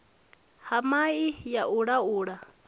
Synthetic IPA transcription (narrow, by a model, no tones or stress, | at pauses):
hamaijaʔuɺauɺa